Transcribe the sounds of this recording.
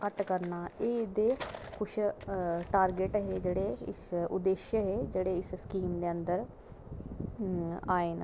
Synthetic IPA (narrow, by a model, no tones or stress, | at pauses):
kəʈkəɾnaːeːd̪eːkʊt͡ʃʰʈaːɾɡeʈɦeːd͡ʒeːɽeːɪ̰sʊd̪eːʃjəɦeːd͡ʒeːɽeːɪsskiːmd̪eːənd̪əɾ | aːeːn